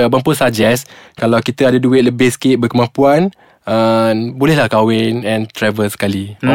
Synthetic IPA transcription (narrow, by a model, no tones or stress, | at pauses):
bampʊsad͡ʒɛskalawkit̪əadaduɪt̪̚ləbɪhsə̥kɪʔ̚bəkəmãmpuan | ənbolɛhlahkawɪnɛ̃nt̪ɾɛvəlsə̥kali